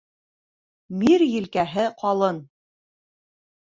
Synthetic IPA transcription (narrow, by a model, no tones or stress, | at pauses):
miɾjɘ̆lkæɦɘqɑlˠɤn